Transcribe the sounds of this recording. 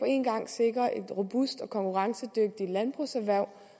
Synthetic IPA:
pʰɒ̽e̝̰nɡ̥ɑ̈ŋ̰se̝ɡ̥ʁɐʔe̝d̥ʁo̝b̥usd̥ɒ̽kʰɒ̽ŋkʰuʁɑ̈ŋsəd̥øɡ̥̚d̥ilænb̥ʁusæʋæɐ̰

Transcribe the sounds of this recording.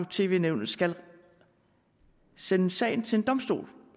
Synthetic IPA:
t͡sʰe̝̰ːʋe̝̰ːneʊnl̩ˠsɡ̥æl | senəsɛ̰ɪ̰n̩t͡sʰe̝e̝nd̥ɒ̽msd̥o̝̰ːl

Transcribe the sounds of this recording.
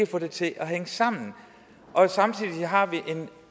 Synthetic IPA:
əfɔ̽d̥e̝t͡sʰe̝ʔɒ̽ɦeŋəsɑ̈m̰n̩ | ʔɒ̽sɑ̈mt͡sʰið̰ˠiɦɑ̈ʋiʔe̝n

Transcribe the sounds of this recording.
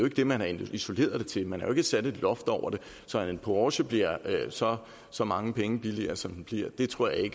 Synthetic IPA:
joe̝ɡ̥əd̥e̝mænhɑ̈iso̝le̝̰ːɐðˠd̥e̝t͡sʰe̝lmænhæjoe̝ɡ̥əsæd̥ed̥lɒ̽fd̥ɒʊ̰ɐɾ̥e̝ | sɒ̽nenpʰoɒːɕəb̥liɐ̰øsɒ̽ | sɒ̽mɑ̈ŋəpʰeŋəb̥iliɐsɒ̽md̥n̩b̥liɐ̰d̥e̝t͡sʰʁo̝ɐ̰jɑ̈e̝ɡ̥ə

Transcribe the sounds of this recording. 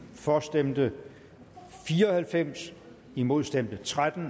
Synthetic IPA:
fɒsd̥emd̥ə | fiːɐɒ̽hælfem̰s | imo̝ð̞ˠsd̥emd̥ət͡sʰʁad̥n̩

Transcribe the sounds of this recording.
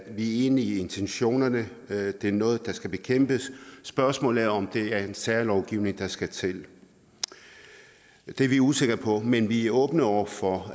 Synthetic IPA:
ʋiæɐe̝ːniːe̝nt͡sʰenɕo̝̰ːnɐnə | d̥e̝æɐnɔ̽ːð̞̩ˠd̥ɑ̈sɡ̥æb̥e̝kʰem̰b̥əsːb̥ɶɐsmɔ̰̽læɐɒ̽md̥e̝æɐe̝nsæɐlɒʊɡ̥iʊne̝ŋd̥ɑ̈sɡ̥æt͡sʰe̝l | d̥e̝ɐʋiuse̝ɡ̥ɐpʰɒ̽menʋiæɔ̽ːb̥nəɒʊ̰ɐfɒ

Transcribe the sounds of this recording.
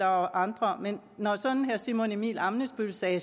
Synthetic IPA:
ɑʔɑ̈nd̥ʁɐmenːɒsɒ̽nn̩ɦæɐsimonimḭːlɑ̈mnəsb̥ylsɛː

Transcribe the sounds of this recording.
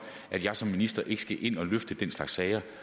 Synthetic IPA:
ʔæd̥jɑ̈ɪsɒ̽mːinisd̥ɐʔe̝ɡ̥sɡ̥æʔe̝n̰ɒ̽løfd̥əd̥enslɑ̈ɡ̥sːɛɪɐ

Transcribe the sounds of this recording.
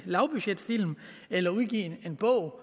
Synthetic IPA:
lɑ̈ʊb̥yɕed̥fil̰m | elɐuð̞ˠɡ̥ḭːe̝nb̥ɔ̽ʊ̰

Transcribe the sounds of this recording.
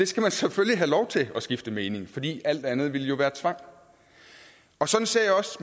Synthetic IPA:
d̥e̝sɡ̥æmænseføljiɦælɒʊt͡sʰe̝ɒ̽sɡ̥ifd̥əmeːne̝ŋfɒ̽d̥ḭːʔæl̰d̥ænð̞̩ˠʋe̝ljo̝ʋæːɐt͡sʰʋɑ̈ŋ̰ | ɒ̽sɒ̽d̥n̩se̝ɐ̰jaɒ̽s

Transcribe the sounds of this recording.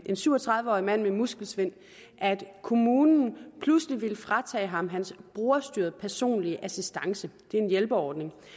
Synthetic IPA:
ʔe̝nsyʊɒ̽t͡sʰʁɑ̈ð̞ˠʋəɒ̰ːimæn̰memusɡ̥l̩sʋe̝n̰ | ʔæd̥kʰo̝muːnn̩pʰlusliʋelfʁɑ̈t͡sʰɛ̰ːɦɑ̈mɦænsb̥ʁoːɐsd̥yːɐðˠpʰæɐso̝̰ːnliəʔæsisd̥ɑ̈ŋsəd̥e̝æɐe̝njelb̥əɒːd̥ne̝ŋ

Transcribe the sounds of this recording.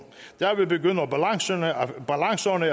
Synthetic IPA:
d̥æɐʋebeɡøn̰əɒbælɑŋsnb̥ælɑ̈ŋsɐnə

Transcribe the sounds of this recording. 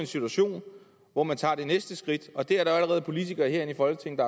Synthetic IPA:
e̝nsit͡sʰuæɕo̝̰ːn | ʋɒmænt͡sʰɑ̰̈ːd̥e̝nesd̥əsɡ̥ʁid̥ɒ̽d̥e̝æɐɾ̥ɑ̈æləʁɛːð̞̩ˠpʰo̝lit͡sʰiɡ̥ɐːɦeɐe̝nifɒ̽lɡ̥ət͡sʰe̝ŋ̰n̩d̥ɑ̈

